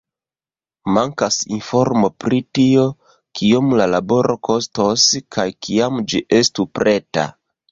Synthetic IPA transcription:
maŋkasinfo̞ɾmo̞pɾitio̞ | kiomlalabo̞ɾʔo̞ko̞stoskʰajkʰiamd͡ʒiʔe̞stupɾe̞ta̰

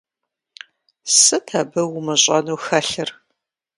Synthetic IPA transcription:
sɨtʰɐbɐwʊmɨɕʼɐnuːxɐɬɨr

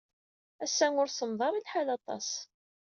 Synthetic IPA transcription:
æsːæŋʊɾsəmðˤɑɾˤilħalɑt̪ˤɑ̰s

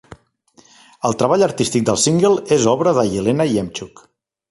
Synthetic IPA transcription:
əlˠt̪ɾəβaʎəɾt̪ist̪ik̚d̪əlˠsiŋɡəlˠezɔβɾəðəjilenəiɛmt͡ʃuk

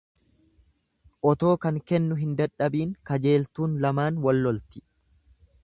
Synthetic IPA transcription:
ʔɔt̪o̞ːkɐŋkɛnːʊɦɪnd̪ɐᶑːɐbiːŋkɐd͡ʒe̞ːlt̪uːnlɐmaːnwɐlːɔlt̪ɪ̥

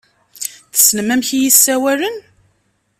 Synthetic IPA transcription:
θə̥sːnəmæmçijisːæwælən

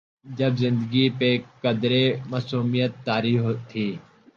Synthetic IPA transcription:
d͡ʒɐbzɪ̃nd̪əɡipekɐd̪ɾemɐsuːmijət̪ːaːɾiːft̪ʰiː

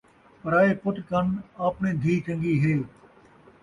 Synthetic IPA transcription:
pəɾaːeːpʊʈkənaːpnẽːd̪ʱiːt͡ʃə̃ŋɡiːɦeː

